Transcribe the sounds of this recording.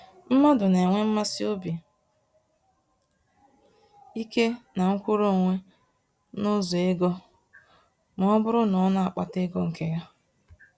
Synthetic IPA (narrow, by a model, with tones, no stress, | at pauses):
m̩˦ma˦dʊ˨n˨e˨ŋʷe˦m̩˦ma˦sɪ˦o˦bi˨ | i˦ke˦na˨ŋ̩˦kʷu˦ɾo˦˨ŋʷe˦ | nʊ˦zɔ˨e˦ɡɔ˦ | mɔ˨ɔ˦bʊ˦ɾʊ˦nɔ˨˦na˦˨a˨k͡pa˨te˦ɡɔ˦ŋ̩˨ke˦ja˦